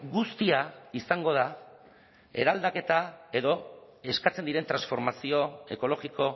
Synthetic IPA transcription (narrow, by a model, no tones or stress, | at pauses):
ɡust̪iaisaŋɡo̞ð̞a | e̞̰ɾald̪ake̞t̪ae̞ðo̞ | e̞skat͡se̞nd̪iɾe̞nt̪ɾansfo̞ɾmasio̞e̞ko̞lo̞ɣiko̞